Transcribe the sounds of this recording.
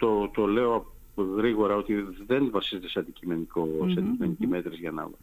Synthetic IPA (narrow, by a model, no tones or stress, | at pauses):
t̪ot̪o̞le̞o̞ɐ | ɣɾiɣo̞ɾɐo̞t̪iðe̞nvɐsizet̪eseɐnd̪icime̞nikoseɐnd̪iime̞nicime̞t̪ɾezʝɐnɐ̰v̰